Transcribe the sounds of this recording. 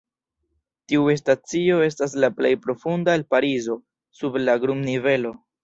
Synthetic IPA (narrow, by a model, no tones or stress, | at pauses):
tiue̞stat͡sio̞e̞s̬tas̬laple̞jpɾo̞fundalpaɾizo̞ | sublaɡɾumnive̞lo̞